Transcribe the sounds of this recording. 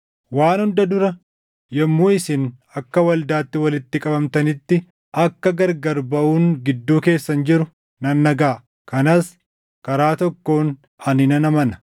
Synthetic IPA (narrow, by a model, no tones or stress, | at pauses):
waːnhʊnd̪ɐd̪ʊɾɐ | jɛmːuːɪsɪn | ɐkːɐwɐld̪aːt̪ːɪwɐlɪt̪ːɪkʼɐbɐmt̪ɐnɪt̪ːɪ | ʔɐkːɐɡɐɾɡɐɾbɐʔuːŋɡɪd̪ːuːke̞ːsːɐnd͡ʒɪɾʊ | nɐnːɐɡaː | kɐnas | kɐɾaːt̪ɔkːo̞ːn | ɐnɪnɐnɐmɐnɐ̥